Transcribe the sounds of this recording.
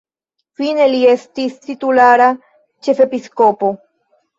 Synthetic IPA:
fine̞lie̞st̪ist̪it̪ulaɾa | t͡ʃe̞fe̞piskopo̞

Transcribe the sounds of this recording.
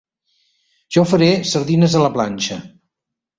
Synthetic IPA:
ʒ̥ɔfəɾesəɾðinəzələplanʲt͡ʃə

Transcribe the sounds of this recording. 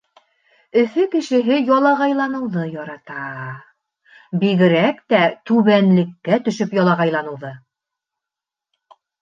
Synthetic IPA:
ɵ̆θɵkɘ̆ʃɘ̆ɦɘjɒlˠɑʁɑjlˠɑnɤ̆wðɤjɒɾɑt̪ɑ | biɣɘ̆ɾækt̪æt̪ʉβænlɘ̆kːæt̪ɵ̆ʃɵpjɒlˠɑʁɑjlˠɑnɤ̆wðɤ

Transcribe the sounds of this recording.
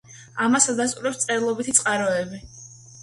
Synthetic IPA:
amasad̪as̬t̪ʼuɾɛpst̪sʼɛɾilˠɔbit̪ʰit̪sʼqʼaɾɔɛbi

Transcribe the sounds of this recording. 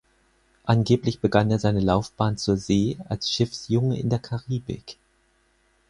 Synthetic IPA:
ʔanɡeːplɪçb̥əɡaneːɐzaɪnəlaʊfb̥aːnt͡suːɐzeːa̰lsʃɪfsjʊŋəɪ̰ndeːɐkʰaʁiːbɪ̰k

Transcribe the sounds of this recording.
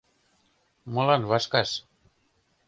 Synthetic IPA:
molanβaskas

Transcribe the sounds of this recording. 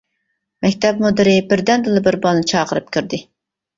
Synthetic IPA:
mɛkʲt̪ʰɛpmud̪ɨɾɪbɪɾd̪ɛnd̪ɨlˠɨbɪɾbɑlˠnɨt͡ʃʰɑːqəɾɨp̚kʲyɾd̪ɪ

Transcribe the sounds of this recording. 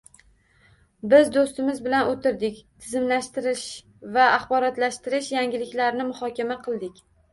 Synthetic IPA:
bɪzd̪ost̪ɪmɪzbɪlanot̪ʰɪɾd̪ɪkʲt̪ʰɪzɪmlaʃt̪ɪɾɪʃ | vaːχbɒɾat̪laʃt̪ɪɾɪʃjaŋʲɪlɪkʲlaɾnɪmʊhɒkʲamaqʰɨlˠd̪ɪkʲ

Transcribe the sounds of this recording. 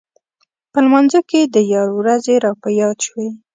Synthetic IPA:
pəlmɑnzoked̪əjɑɾwɾazeɾɑpajɑʃwe

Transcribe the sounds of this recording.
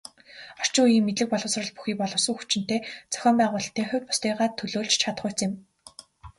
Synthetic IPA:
ɔr̥t͡ɕɪ̆ŋujiːŋmːet̪ɮɘ̆k̚pɔɮʁɞ̆wsrɞ̆ɮpu̥xiːk̚pɔɮɞ̆wsə̆ŋxut͡ɕɪ̆n̥t̪eːt͡sœ̥xʲɔːmpæːʁʊːɮ̆ʰt̪eːχʊ̟wʲt̪̚pʊ̥st̪iːʁaːt̪ʰːɵɮoːɮt͡ɕt͡ɕʰat̪ə̆χʊːt͡sɪ̆m

